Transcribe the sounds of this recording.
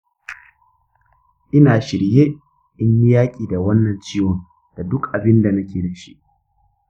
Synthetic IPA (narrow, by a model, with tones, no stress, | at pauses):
ʔɪ˦naː˨ʃɪ˨ɽje˦ | ʔɪ˦ɲji˦jaː˦kʲʼiː˨da˨wɐ˦nːɐ˨nt͡ʃiː˦wo˨ŋ | d̥a˨dʊ˦kʔa˨bɪ˦nda˨nɐ˦kʲeː˨da˨ʃḭ˦ʔ